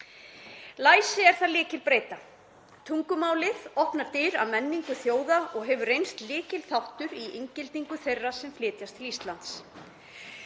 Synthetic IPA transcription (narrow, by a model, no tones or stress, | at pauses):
laːjsɪɛɾ̥θaðlɪːcɪlpɾeːjt̪a | t̪ʰuŋkʏmaːwlɪðɔhpnaɾ̥t̪ɪɾa̰ðmɛnːiŋkʏθjoːwðaʔɔɣɦɛvʏrejnst̪lɪːcɪlθawht̪ʏɾiʔeɲcɪlt̪iŋkʏθejrːasɛmflɪːt̪jast̪ʰɪlist̪lant̪s